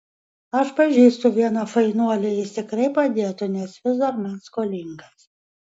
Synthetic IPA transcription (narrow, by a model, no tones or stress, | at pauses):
aʃpaʒʲist̪uvʲiɛnafainuɔlʲɛisʲt̪ʲɛkɾɛjpad̪ʲiɛt̪unʲɛsvʲɪzd̪aɾmanskɔlʲiŋɡas